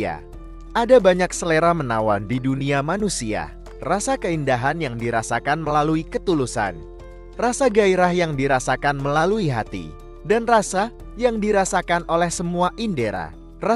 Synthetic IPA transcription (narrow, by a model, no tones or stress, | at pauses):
a̰ | ʔadabaɲak̚səleɾamənawandiduniamanusia̰ | rasakəindaɦanjaŋdiɾasakanməlaluikət̪ulusa̰n | rasaɡaiɾahjaŋdiɾasakanməlaluiɦat̪ḭ | danrasa | jaŋdiɾasakanʔolɛhsəmuaʔindeɾa̰ | ra